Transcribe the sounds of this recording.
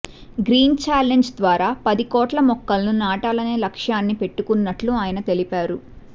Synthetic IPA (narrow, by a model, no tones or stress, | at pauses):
ɡɾiːnt͡ʃaːleɲd͡ʒd̪ʋaːɾaːpɐd̪ikɔːʈlɐmɔkːɐlnunaːʈaːlɐne̞ːlɐkʂjaːnːipe̞ʈːukunːɐʈluaːjɐnɐt̪e̞lipaːɾu